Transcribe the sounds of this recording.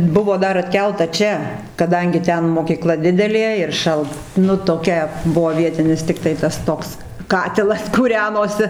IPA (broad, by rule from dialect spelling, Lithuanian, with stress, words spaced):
ˈbʊʋoː ˈdɐr ɐtʲˈkʲɛlˠtɐ ˈt͡ʃʲɛ kɐˈdɐŋʲɡʲɪ ˈtʲɛn moːkʲiːˈklˠɐ ˈdʲɪdʲɛlʲeː ɪr ˈʃɐlˠt ˈnʊ toːˈkʲɛ ˈbʊʋoː ˈʋʲiɛtʲɪnʲɪs tʲɪkˈtɐɪ tɐs ˈtoːks ˈkɑːtʲɪlˠɐs kuːˈrʲæːnoːsʲɪ